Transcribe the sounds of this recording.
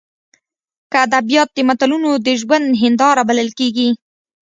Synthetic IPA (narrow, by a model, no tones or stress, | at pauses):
kəad̪abijɑt̪̚d̪əmat̪alunod̪əʒwand̪ɦɪnd̪ɑɾabaləlkeɡi